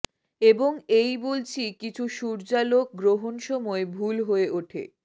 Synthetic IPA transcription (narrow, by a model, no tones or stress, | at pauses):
eboŋejbolt͡ɕʰikit͡ɕʰuʃuɾd͡ʑalok̚ɡɾoɦonʃɔmɔebʱulɦoeʔoʈʰḛ